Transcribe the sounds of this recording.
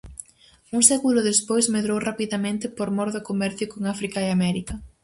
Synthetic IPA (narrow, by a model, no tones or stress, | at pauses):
uŋsɛkulʊðespojsmeðɾowrapiðamẽnt̪ɪpoɾmɔɾðokomɛɾθjʊkoŋafɾikaeamɛɾikɐ